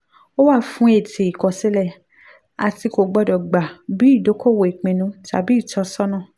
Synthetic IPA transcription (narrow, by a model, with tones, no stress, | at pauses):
o˦wa˦˨fũ˦e˦˨te˨i˨kɔ˨si˦lɛ˦˨ | a̰˧ti˧ko˧˨ɡ͡bɔ˧dɔ˨ɡ͡ba˨bi˨˦i˦˨do˨˦ko˦˨wo˨i˨k͡pĩ˧nũ˧˦ta̰˨bi˨˦i˦˨tɔ˧sɔ˦nã˦˨